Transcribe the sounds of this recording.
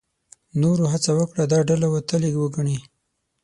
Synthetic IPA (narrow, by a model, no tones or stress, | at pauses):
noɾoɦat͡sawəkɽad̪ɑɖalawat̪əleɡwəɡaɳi